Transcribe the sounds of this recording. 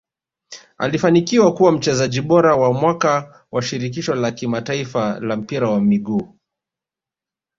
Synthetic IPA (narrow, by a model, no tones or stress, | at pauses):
a̰lifanikiwakuwam̩t͡ʃɛzaʄiɓɔɾawamwaka | waʃiɾik̬iʃɔlakimataifalam̩piɾawamiɡuː